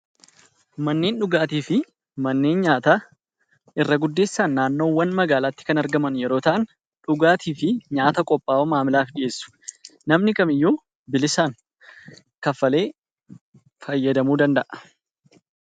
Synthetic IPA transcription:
mɐnːe̞ːnᶑʊɡaːt̪iːfɪ | mɐnːe̞ːnɲaːt̪aː | ʔɪrːɐɡʊd̪ːe̞ːsːaːnːaːnːo̞ːwːɐnmɐɡaːlaːt̪ːɪ̥kɐnɐɾɡɐmɐnjɛɾo̞ːt̪ɐʔɐn | ᶑʊɡaːt̪ʰiːfɪɲaːt̪ɐkʼɔpʼːaːomaːmɪlaːfd̪ɪʔe̞ːsːʊ̥nɐmnɪkɐmɪjːoː | bɪlɪsaːŋ | kɐfɐle̞ː | fɐjːɐd̪ɐmuːd̪ɐnd̪ɐʔɐ̥

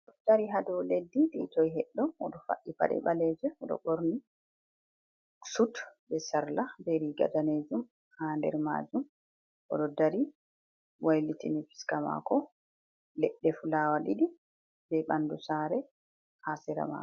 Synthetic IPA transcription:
d̥aɾiɦadɛledːiditɔjɦɛɗːɔmɔɗɔfa̰ʔːipa̰ɗɛ̰balɛd͡ʒɛɔɗɔ̰ɓoɾni | sutbɛsaɾlabɛɾiɡa̰daned͡ʒum | haːndɛ̰ɾma̰d͡ʒum | ʔɔ̰ɗɔdaɾi | wajlitinifi̥skama̰kɔ | lɛɗːɛfulawaliɗi | bɛɓandusaːɾɛ | hasɛɾa̰ma̰k

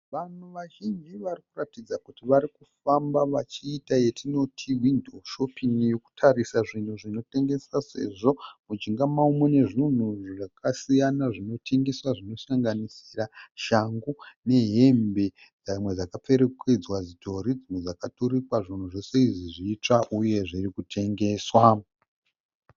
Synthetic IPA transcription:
ʋan̤uʋaʒind͡ʒiʋarikuratid͡zakutiʋaɾikufambaʋat͡ʃiːtaje̞tʰino̞tʰiwindoʃo̞pinijo̞ku̥tʰarisaʐin̤uʐino̞te̞ŋɡe̞sase̞̰ʐo̞mud͡ʒiŋɡamaumwene̞ʐin̤uʐʐakasijanaʐino̞tʰe̞ŋɡe̞swaʐino̞saŋɡanisi̥raʃaŋɡune̞ɦe̞mbe̞ | d͡zamwe̞d͡zakap͡fe̞ɾe̞ke̞d͡zwazito̞ɾid͡zimwe̞d͡zakatoɾikwaʐin̤uʐo̞se̞iʐiʐiːt͡ʂaʔuje̞ʐirikutʰe̞ŋɡe̞ːswa

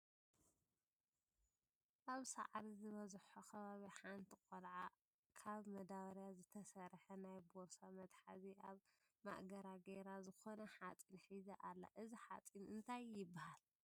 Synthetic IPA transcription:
ʔaβsa̰ʕɾizɨβɐzħokʰɐβaβiħant̪ʰikʼolʕa | kʰaβmɐd̪awɾjazɨt̪ʰɐsɐɾħɐnajboɾsamɐt̪ħa̰ziʔaβ | ma̰ʔɡɐɾaɡeɾazɨxo̞nɐħat͡sʼinħizɐʔalːa̰ʔɨziħa̰t͡sʼinɨnt̪ʰajːɪbːahal

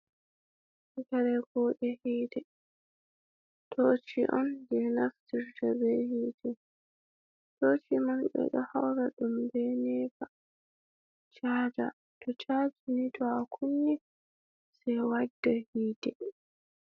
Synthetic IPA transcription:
ikaɾɛɡɔːɗɛhiːdɛ | tʰot͡ʃiʔɔnd͡ʒɛnaftiɾtʰabɛhiːdɛ | tot͡ʃimanɓɛ̰ɗɔ̰hawɾaɗumbɛnɛːfa | t͡ʃaːd͡ʒa̰ | tʰɔt͡ʃad͡ʒinitʰɔakʰunːi | sɛjwadːahiːdɛ

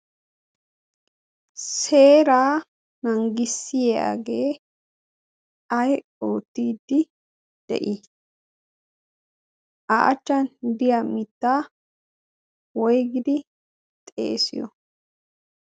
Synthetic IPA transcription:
seːɾaː | nɐŋɡɪsːɪja̰ɡe̞ː | ɐj | oːt̪ːiːd̪ːɪ | d̪̥ɛ̰ʔɪ | ʔaʔɐt͡ʃːɐnd̪ɪjamɪt̪ːaː | wɔjɡɪd̪ɪ | t̪ʼḛːsɪ̰jɔ̰

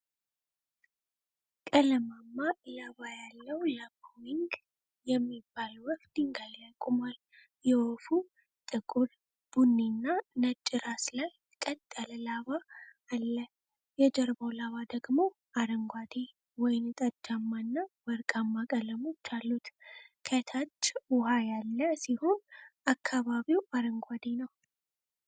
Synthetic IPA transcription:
kʼələmamːalaβajalːəwləbowiŋɡ | jɛmːibːalwɔfd̪̥iŋɡajləkʼːʊmal | jɛwofu | t̪ʼɨkʼul | b̥unːinːanət͡ʃʼːɪɾaslaj | kʼət̪ʼːələlaβaː | lːə | jɛd͡ʒɛɾbo̞laβad̪əɡmo̞ | ʔaɾəŋɡʷad̪e | wɔjɪnt̪ʼəd͡ʒːamːanːawɔɾkʼamːakʼələmot͡ʃːalːut̪kʰət̪ʰat͡ʃːwʊhajalːəsiho̞nakʰːaβaβiwaɾəŋɡʷad̪enəw

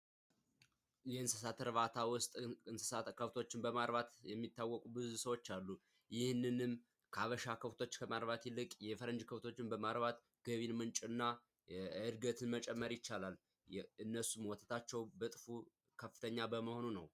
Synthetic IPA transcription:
jɛɨnsɨsat̪ʰɾβat̪ʰawʊst̪ʼɨnsɨsat̪kʰəft̪ʰo̞t͡ʃːɪnbəmaɾβat̪jɛmːit̪ːawːɔkʼubɨzusəwo̞t͡ʃːalːu | jɪhnːɨnɨm | kʰaβəʃakʰəft̪ʰo̞t͡ʃːkʰəmaɾβat̪jɪlːɨkʼjɛfəɾənd͡ʒkʰəft̪ʰo̞t͡ʃːɪnbəmaɾβat̪ | ɡ̥əβinmɨnt͡ʃʼɨnːa | ɨɾɡət̪ʰɨnmət͡ʃʼɛmːəɾjɪt͡ʃːalalː | ɨnːəsumwɔt̪ʰət̪ʰat͡ʃːɛwbət̪ʼɨfu | kʰəfːɨ̥t̪ʰəɲːabəməho̞nunəw

